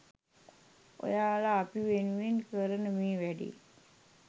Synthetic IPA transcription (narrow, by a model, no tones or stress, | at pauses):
o̰jaːlaːpiʋenuʋinkəɾənəmiːʋæɖḭː